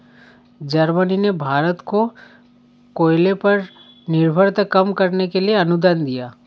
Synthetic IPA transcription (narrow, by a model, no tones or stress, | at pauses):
d͡ʒɐɾməninebʱaːɾət̪ko | koːjlepɐɾ | nɪɾbʱəɾt̪əkɐmkɐɾnekelieɐnʊd̪ənd̪ijaː